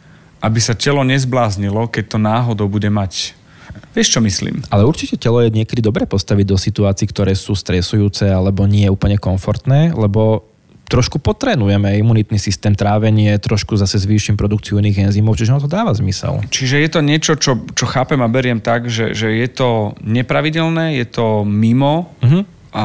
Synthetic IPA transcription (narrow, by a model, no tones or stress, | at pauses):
ʔabisacɛlɔɲɛzblaːzɲilɔkɛc̚t̪ɔnaːɦɔd̪ɔʊbuɟɛmac | ʋɛʃt͡ʃɔmislḭːmʔalɛuɾt͡ʃicɛcɛlɔjɛɲɪɛkɛd̪id̪ɔbɾɛːpɔst̪aʋiɟd̪ɔsit̪uaːt͡siːkt̪ɔɾɛːsuːst̪ɾɛsujuːt͡sɛalɛbɔɲɪɛɛuːpl̩ɲɛkɔɱfɔɾt̪nɛːlɛbɔ | t̪ɾɔʃkupɔt̪ɾɛːnujɛmɛimunit̪nisist̪ɛːmt̪ɾaːʋɛɲɪɛt̪ɾɔʃkuzasɛzʋiːʃimpɾɔd̪ukt͡siuniɣɛnzimɔʊt͡ʃiʒɛnat̪̬ɔd̪aːʋazmisɛ̰lt͡ʃiʒɛjɛt̪ɔɲɪɛt͡ʃɔt͡ʃɔt͡ʃɔxaːpɛmabɛɾɪɛmt̪aɡʒɛ̰ʒɛjɛt̪ɔɲɛpɾaʋiɟɛlnɛːjɛt̪ɔmimɔ̃ɦ̩ | ʔa